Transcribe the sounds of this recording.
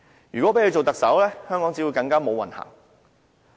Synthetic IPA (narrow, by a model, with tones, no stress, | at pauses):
jyː˨˩kɔ˨˥pe˨˥kʰɵ˧t͡ʃo˨wt̪ɐ˨k̚sɐ˨˥wlɛː˥hœː˥ŋkɔ˨˥ŋt͡si˨˥wu˨˧jkɐ˧ŋkaː˥mo˨˧wɐ̰˨nha̰ː˨˩ŋ